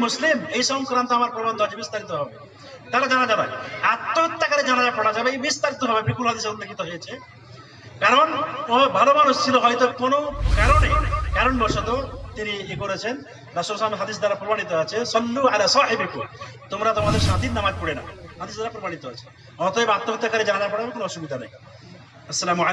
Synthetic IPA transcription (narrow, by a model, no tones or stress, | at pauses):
muslimeɦisɔŋkɾant̪ɔamaɾpɾɔbɔnd̪ʱɔat͡ʃʰebist̪aɾit̪ɔɦɔbe | t̪aɾad͡ʒaɽ̃ad͡ʒabaat̪ːɔt̪ːakaɾed͡ʒaɽ̃ad͡ʒapɔɽ̃ad͡ʒabeibist̪aɾit̪ɔɦɔbebɾikulɦɔd̪isnt̪ɔkit̪ɔɦet͡ʃʰe | kaɾɔnɔ̃bʱalɔbanusilɔɦɔjt̪ɔkɔnokaɾɔɽekaɾɔɳbʱɔsɔt̪ɔt̪iniekoɾet͡ʃʰen | ɾasɔɾsameɦad̪is̬d̪aɾapɾɔbaɽ̃it̪ɔat͡ʃʰesɔlːualasɔɦibekut̪omɾat̪omad̪eɾsad̪inamad͡ʒpɔɽena̰had̪isd̪aɾapɾɔbaɽit̪ɔɦat͡ʃʰe̥ | ɔ̃t̪ɔebat̪ːɔt̪ːakaɾed͡ʒaɽ̃ad͡ʒapɔɽaabekonoɔsubid̪ʱana̰j | ɐsːɐlamua